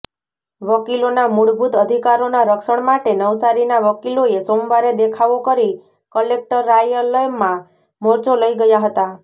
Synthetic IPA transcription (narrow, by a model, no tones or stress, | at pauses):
ʋəkilonamuɽbʱut̪əd̪ʱikaɾonaɾəkʃəɳ̃maʈenəwsaɾinaʋəkiloesombaɾed̪ekʰaʋokəɾi | kəlek̚ʈəɾːajələmːã | mɔɾt͡ʃoləiɡəjaɦət̪a